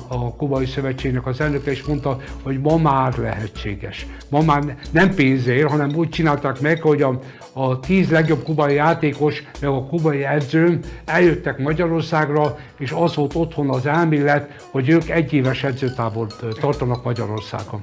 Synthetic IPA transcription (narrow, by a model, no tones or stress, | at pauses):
ɒkubɒjisøvɛt͡ʃːeːɡnɛkɒzɛlnøkɛeːʃmo̞nt̪ɒho̞ɟmɒmaːrlɛɦɛt͡ʃːḛːɡɛʃ | mɒmaːrnɛmpeːnzeːrɦɒnɛmuːc̚t͡ʃinaːlt̪aːkmɛkho̞ɟɒː | t̪iːzlɛɡjo̞bkubɒjijaːt̪eːko̞ʃmɛɡɒkubɒjiɛd̪zøːmɛljøt̪ːɛkmɒɟɒɾo̞rsaːɡrɒ | eːʃɒzʋo̞lt̪o̞t̪ho̞nɒzɛlmiːlːɛt̪ | ho̞ɟøːkɛɟːeːvɛʃɛd̪zøːt̪aːvo̞lt̪ɒrt̪ɒnɒkmɒɟɒɾo̞rsa̰ːɡɒ